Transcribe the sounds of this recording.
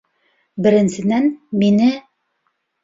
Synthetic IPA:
bɘ̆ɾɘ̆nsɘ̆nænminɘ

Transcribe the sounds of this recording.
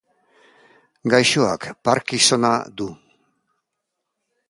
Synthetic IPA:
ɡajʃoa̰kpaɾkiso̞nad̪u

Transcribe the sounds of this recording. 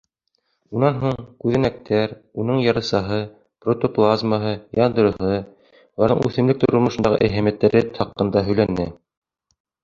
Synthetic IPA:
unɑnɦuɴkʉðɘ̆næk̚t̪æɾunɤɴjɑɾɤ̆sɑɦɤ | prot̪oplˠazməɦɤjɑnd̪ɤ̆ɾɤ̆ɦɤ | lˠɑɾðɤ̰ŋʔʉ̰θɘ̆mlɘk̚t̪oɾŏɾmŏʃɤ̆nd̪ɑʁɤ̰ʔæɦæmjæt̪ːæɾɘɑqːɤ̆nd̪ɑɦɵ̆jlænːɘ

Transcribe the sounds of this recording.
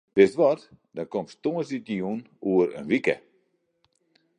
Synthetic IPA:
dɪsʋɔt | dɔnkomstoəsitəjun | uəɾə̰nʋikə̰

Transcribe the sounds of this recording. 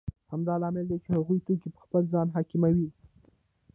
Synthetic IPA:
hamd̪ɑlɑmɪld̪et͡ʃehaɣujt̪okipə̥xpəlzɑnɦɑkɪmawi

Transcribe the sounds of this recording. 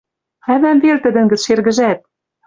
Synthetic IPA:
χæβæmvert̪ɘ̆d̪ɘ̆ŋɡɘ̆t͡sʃerɣɘ̆ʒæt̪̚

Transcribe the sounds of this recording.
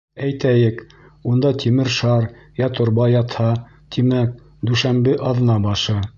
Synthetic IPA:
æjt̪æjɘk | und̪ɑt̪ʲʰimɘɾʃɑɾjɑt̪ŏɾbɑjɑt̪hɑ | t̪imæk̚ | d̪ʉʃæmbɘʔɑðɤ̆nɑbɑʃɤ

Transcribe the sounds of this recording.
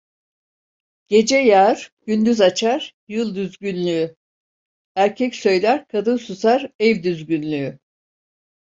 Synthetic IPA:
ɟ̥e̞d͡ʒɛjaɾ̥ɟ̥ynd̪yzat͡ʃʰaɾ̥ | jɯlˠd̪yzɟynlʲyy | æɾcʰɛcsø̞jlʲæɾkʰad̪ɯnsuzaɾɛvd̪yzɟynlʲyy

